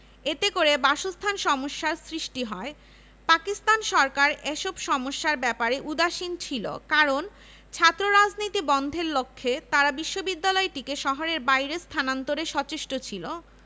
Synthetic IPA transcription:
et̪ekoɾebaʃost̪ʰanʃɔmoʃːaɾsɾiʃʈiɦɔe | pakist̪anʃɔɾkaɾeʃobʃɔmoʃːaɾbɛpaɾeʔud̪aʃint͡ɕʰilo̰kaɾon | t͡ɕʰat̪ːɾoɾad͡ʑnit̪ibɔnd̪ʱeɾlokʰːet̪aɾabiʃːobid̪ːalɔeʈikeʃɔɦoɾeɾbajɾest̪ʰanant̪oɾeʃɔt͡ɕeʃʈot͡ɕʰilo

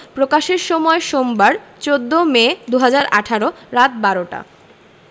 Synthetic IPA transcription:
pɾokaʃeɾʃɔmɔeʃombaɾt͡ɕod̪ːomed̪uɦad͡ʑaɾa̰ʈʰaɾoɾat̪̚baɾoʈa̰

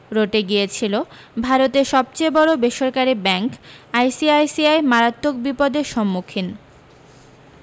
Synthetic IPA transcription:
ɾoʈeɡijet͡ɕʰilo | bʱaɾot̪eɾʃɔb̚t͡ɕejbɔɾobeʃoɾkaɾibɛŋkajsiajsiajmaɾat̪ːok̚bipod̪eʃɔmːukʰin

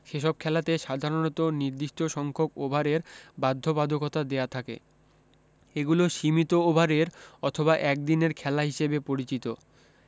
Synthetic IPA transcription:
ʃeʃɔb̚kʰɛlat̪eʃad̪ʱaɾonot̪oniɾd̪iʃʈʰoʃɔŋkʰokobʱaɾeɾbad̪ʱːobad̪ʱokɔt̪ad̪eat̪ʰakḛ | eɡuloʃimit̪oobʱaɾeɾɔt̪ʰoβaʔɛk̚d̪ineɾkʰɛlaɦiʃebepoɾit͡ɕit̪o

